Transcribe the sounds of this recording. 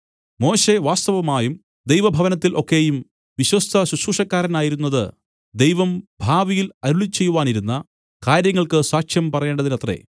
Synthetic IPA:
mo̞ːɕe̞ʋaːst̪ɐʋɐmaːjum | d̪ejʋɐbʱɐʋɐnɐt̪ːilʔo̞kːe̞jum | ʋiɕwɐst̪ʰɐɕuɕuʂɐkːaːɾɐnaːjiɾun̪ːɐðɨ | d̪ejʋɐmbʱaːʋijilɐɾuɭit͡ɕːe̞jːuʋaːniɾunːɐ | kaːɾjɐŋːɐɭkɨsaːkʂjɐmpɐrɐje̞ːɳɖɐðinɐt̪re̞̰

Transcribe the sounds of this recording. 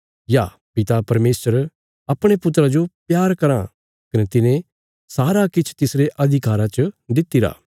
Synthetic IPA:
ja | pɪt̪apɐɾmeːsəɾ | ɐpɽ̃epʊt̪ːɾad͡ʒopjaːɾkɐɾã | kɐnet̪ɪnẽ | saːɾakɪt͡ʃʰt̪ɪsɾeʔɐd̪ʱɪkaːɾãt͡ʃəd̪ɪt̪ːiɾa̰ː

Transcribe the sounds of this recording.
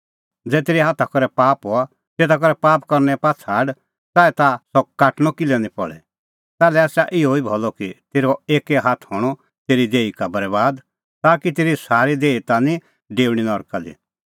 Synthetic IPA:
d͡zɛːt̪eːɾiɦaːt̪ʰakɔɾɛpaːpɦɔa | seːt̪ʰak̬ɔɾɛpaːpkɐɾnɛpaːt͡sʰaːɖ | t̪aːɛt̪asɔkaːʈñɔkɪlɛnĩpɔɭɛ̰ | t̪ɛːlɛaːsaʔɪɔibʱɔlɔkit̪eːɾɔeːkɛɦat̪ʰɦɔːɽ̃ɔ | t̪eːɾid̪eːikabɐɾɛbaːd̪ | t̪aːkit̪eːɾisaːɾid̪eːit̪anĩ | ɖeːɽ̃inɔɾkad̪ḭ

